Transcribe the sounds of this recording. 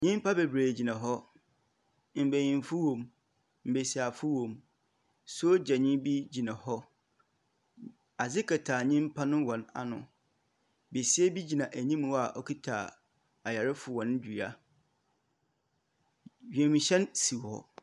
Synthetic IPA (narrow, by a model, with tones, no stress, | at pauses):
ɲĩ˦m˦pʰa˦be˨bɾeː˨d͡ʑi˨nã˨ɦɔ˦ | m̩˨be˨jĩ˨nfʊ˦wõ˨m | m̩˨be˨si˨a˨fʊ˦wõ˨m | sʊ˦o˦d͡ʑɛ˨ɲɪ̃˦bi˦d͡ʑi˨nã˨hɔ˦ | a˨zɪ˦kʰɛ˨tʰaː˨ɲĩ˦m˦pʰa˦nʊ̃˦wɔ̃˨na̰˨nʊ̃˨ | be˨sɪ˦ɛ˦bi˦d͡ʑi˨nã˨ʔæ˨ɲĩ˦m˨wa˨ʔɔ˦kʰi˦tʰa̰ː˨ | a˨ja˨ɾɪ˦fʊ˨wɔ̃˨n˦d͡ʑᶣu˨a˦ | ɥᶣɛ̃˨mĩ˨ɕɛ̃˦nsi˨hɔ̰˨